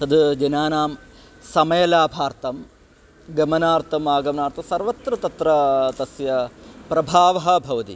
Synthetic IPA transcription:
t̪ɐd̪d͡ʒɐnaːnaːm | sɐmɐjɐlaːbʱaːɾt̪ɐm | ɡɐmɐnaːɾt̪ʰɐmʋaːɡɐmɐnaːɾt̪ʰɐsɐɾʋɐt̪ɾɐt̪ɐt̪ɾɐt̪ɐsjɐpɾɐbʱaːʋɐɦɐ̆bʱɐʋɐt̪ḭ

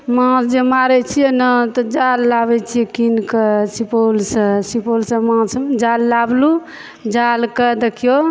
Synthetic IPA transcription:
mãsd͡ʒemaɾɛt͡ʃʰijɛnət̪ɔd͡ʒalːabɛt͡ʃʰijɛkinkəsipolsə̃sipolsə̃mãsd͡ʒalːablu | d͡ʒalkəd̪ekʰijo

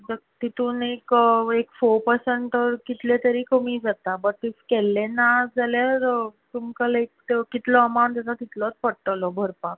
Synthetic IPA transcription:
d͡zət̪it̪uːnekekfoɾpəɾsəɳʈəɾkit̪let̪əɾiːkʰəmiːd͡zat̪abəʈːiskɛlːenad͡zaljaɾt̪umkəlek̚t̪kit̪lɔːmawɳt̪at̪at̪it̪lɔt͡spəɽʈ̪əlɔbʱəɾpak

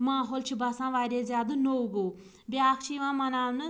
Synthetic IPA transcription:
maːɦoːlt͡ʃʰibaːsãːʋaːɾʲeːzʲjaːd̪ɨnowɡoː | bɪaːkʰt͡ʃʰiiʋãːmɐnaːʋnɨ

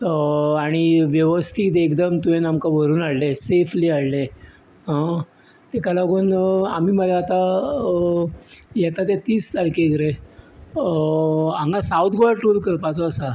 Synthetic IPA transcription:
əaɽ̃iʋjəʋəst̪ʰiːt̪̬ːkd̪əmt̪uenamkaʋəɾuːnaɽlesefʰliːaɭle | ɦã | t̪ekalaɡuːnam̤iməlaːt̪a | jɛt̪at̪et̪iːst̪aɾkeɡɾe | aŋɡãsaut̪ʰɡaʈulkəɾpat͡sɔəsa

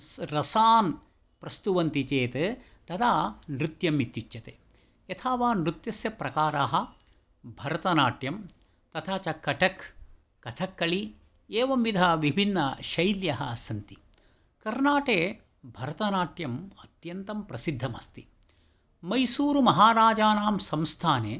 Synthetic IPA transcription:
sɾɐsaːn | pɾɐst̪uʋɐnt̪it͡ʃeːt̪e | t̪ɐd̪aːnɾut̪jɐmit̪ːjit͡ʃːɐt̪eː | ɐt̪ʰaːʋaːnɾut̪jɐsjɐpɾɐkaːɾaːɦɐ̆ | bʱɐɾɐt̪ɐnaːʈjɐm | t̪ɐt̪ʰaːt͡ʃɐkːɐʈɐkː | ɐt̪ʰɐkːɐɭi | eːʋɐmʋid̪ʱaʋibʱinːɐʃɐjljɐɦɐsɐnt̪i̥ | kɐɾnaːʈeː | bʱɐɾɐt̪ɐnaːʈjɐmɐt̪jɐnt̪ɐmpɾɐsid̪ʱːɐmɐ̰st̪i | mɐjsuːɾumɐɦaːɾaːd͡ʒaːnaːmsɐmst̪ʰaːneː

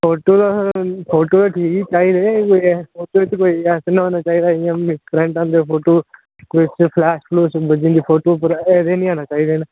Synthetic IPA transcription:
pʰoːʈoːd̪apʰoːʈoːt̪aːʈʰiːkt͡ʃaːiːd̪eːkoːiɛpʰoːʈoːt̪koːiːɛːsnɦoːnaːt͡ʃaːiːd̪aːjãːmɪskɾɛ̃ːɳʈãːnd̪eːpʰoːʈoː | kʊt͡ʃpʰlɛːʃploːsbəd͡ʒĩnd̪iːpʰoːʈoːpəɾɛːd̪eːnĩːaːnaːt͡ʃaːiːd̪eːna

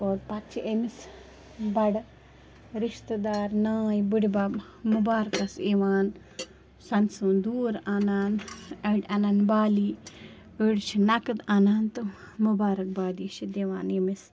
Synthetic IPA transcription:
oːɾpɐt͡ʃʰiʔemis | bɐɽ | ɾiʃt̪ɨd̪aːɾnaːjbuɽibab | mubaːɾkɐseʋaːn | sɐnsund̪uːɾaːnaːnɐʈɐnanbaːliː | əɽt͡ʃʰinɐkɨd̪anaːnt̪ɨ | mubaːɾɐk̚baːd̪it͡ʃʰid̪eʋa̰ːnemis

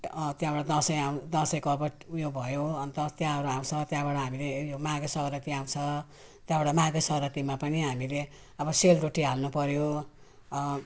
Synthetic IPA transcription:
t̪jãbaɽad̪ʌsʌjaw̃d̪ʌsʌjkʌbʌʈjobʱʌjoʌnt̪ʌt̪jãʌɾuaw̃t͡sʰʌt̪jãbaɽʌɦamilejomaɡesʌɾʌt̪iaw̃t͡sʰʌ | t̪jãbaɽʌmaɡesʌɾʌt̪imapʌniɦamile | ʌbʌseld̪oʈːiɦalnupʌɾjo

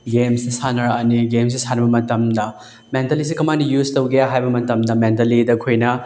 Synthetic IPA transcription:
ɡemsisanɐɾɐniɡems̬isanɐbɐmɐtɐmdɐ | mentɐlis̬ikɐmanijuztɐwɡejaɦajbɐmɐtɐmdɐment̬ɐlidɐkʰojnɐ

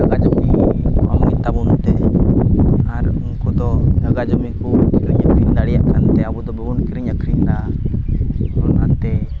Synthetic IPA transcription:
d͡ʒaɡad͡ʒmia̰mnit̪abunt̪ɛ | aɾunkɔd̪ɔd͡ʒaɡad͡ʒɔmikukiɾiɲakʰɾind̪aɽijaʔkant̪ɛabud̪ɔbɛɡunkiɾiɲakʰɾind̪a | ɔnkant̪ɛ

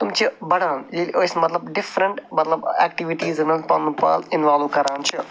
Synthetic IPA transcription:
t̪ʊmt͡ʃɨbɐɽaːnilʔoːsmɐt̪lɐbɖɪfɾə̃ɳʈmɐt̪lɐbɛːk̚ʈiʋiʈiːzɐnɐlp̪ɐnːupa̰ːlɪnʋaːlʋkɐɾaːnt͡ʃʰɨ

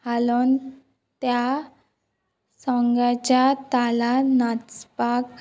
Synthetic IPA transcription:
halon | t̪ja | sɔ̃ŋɡat͡ɕat̪alanat͡spak

